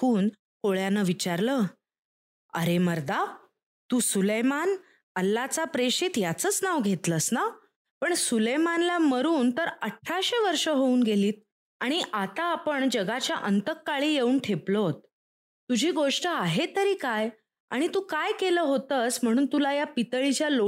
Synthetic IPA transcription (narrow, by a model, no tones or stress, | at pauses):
kʰuːn | koɭjanəʋit͡ɕaɾlə | ə̰ɾeməɾd̪a | t̪uːsuləjman | əlːat͡sapɾeɕit̪jat͡səːt͡snaʋɡʱet̪ləsna | pəɳsulejmanlaməɾuːnt̪əɾəʈʰːaɕeʋəɾʂəɦouːnɡeliːt̪̚ | aɽ̃iʔat̪aːpəɳd͡ʑəɡat͡ɕjaʔənt̪əkːaɭiːjeuːnʈʰeplot̪̚ː | ud͡ʑʱiːɡoʂʈəaɦet̪əɾiːkaj | a̰ɽ̃it̪uːkajkeləːɦot̪əsm̤əɽ̃uːnt̪ulajapit̪əɭit͡ɕjalo